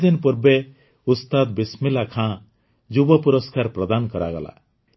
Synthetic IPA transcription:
d̪inpuɾbe | ust̪ad̪bismilakʰã | d͡ʒubɔpuɾɔskaɾpɾɔd̪ankɔɾa̰ɡɔla̰

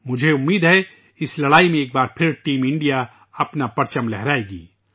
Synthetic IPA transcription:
mʊd͡ʒʱeʊmːiːd̪ɦɛ | ɪslɐɽaːimẽeːk̚baːɾpʰɪɾʈiːmɪ̃ɳɖija | ɐpnapɐɾt͡ʃəmlɛɦɾaːeːɡḭː

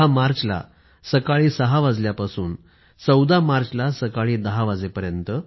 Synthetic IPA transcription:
amaɾt͡sla̰ | səkaɭiːsəɦaʋad͡zljapasuːn | t͡səwd̪amaɾt͡ɕlasəkaɭiːd̪əɦaʋad͡zepəɾjənt̪ə

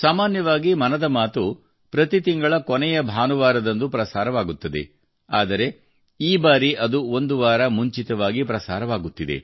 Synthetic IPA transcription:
saːmaːnjɐʋaːɡimɐnɐd̪ɐmaːt̪u | pɾɐt̪it̪iŋɡɐɭɐkɔnɛjɐbʱaːnuʋaːɾɐd̪ɐnd̪upɾɐsaːɾɐʋaːɡut̪ːɐd̪ḛ | aːd̪ɐɾe̞ | iːbaːɾiʔɐd̪uo̞nd̪uʋaːɾɐmuɲt͡ʃit̪ɐʋaːɡipɾɐsaːɾɐʋaːɡut̪ːid̪ḛ

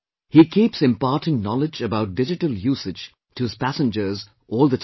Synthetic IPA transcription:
hikʰipsɨ̃mpaɾtɪ̃nnɔlɪd͡ʒəbaʊt̚d̥ɪd͡ʒɨʈəlˠjuːsɨ̥d͡ʒ̥ | tʰɨɨz̥pæsə̃nd͡ʒə˞z | ʔɔːlˠðət

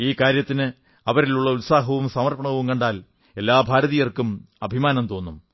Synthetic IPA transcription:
iːkaːɾjɐt̪ːinɨ | ɐʋɐɾiluɭːɐulsaːɦɐʋumsɐmɐrpɐɳɐʋumkɐɳɖaːl | e̞lːaːbʱaːɾɐðijɐrkum | ɐbʱimaːnɐmt̪o̞ːnːum

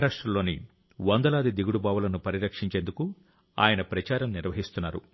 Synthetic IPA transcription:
ɾaːʂʈɾɐlːo̞ːni | ʋɐnd̪ɐlaːd̪id̪iɡuɽubaːʋulɐnupɐɾiɾɐkʂiɲt͡ʃend̪uku | a̰ːjɐnɐpɾɐt͡ʃaːɾɐmniɾʋɐɦist̪unːaːɾṵ

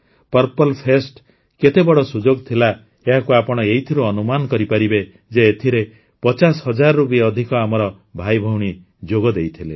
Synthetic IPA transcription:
pɔɾpɔlpʰesʈ | ket̪ebɔɽɔsud͡ʒoɡt̪ʰila | eɦakuapɔɽ̃ɔejt̪ʰiɾuɔnumankɔɾipaɾibe | d͡ʒeːt̪ʰiɾe | pɔt͡ʃasɦʌd͡ʒaɾːupiːd̪ʱikɔamɔɾɔ | bʱajbʱɔwɽ̃i | d͡ʒoɡɔd̪ejt̪ʰile

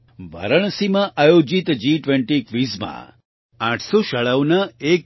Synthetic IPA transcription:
ʋə̰ɾəɳ̃simãʔajod͡ʒit̪d͡ʒiʈʋeɳʈikʋizmã̰ | ãʈʰsoʃəɭəʋnəek

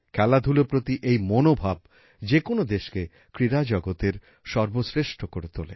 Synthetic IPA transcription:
kʰɛlad̪ʱulopɾot̪iʔejmonobʱab | d͡ʑekonod̪eʃke | kɾiɾad͡ʑɔɡot̪eɾ | ʃɔɾbosɾeʃʈʰokoɾet̪olḛ

